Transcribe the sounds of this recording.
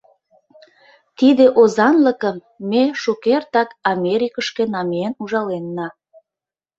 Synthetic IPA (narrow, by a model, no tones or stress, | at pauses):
t̪id̪eʔozɑnləkəmː | eʃukert̪ɑkɑmʲeɾʲikəʃkenɑmeenuʒɑlenːɑ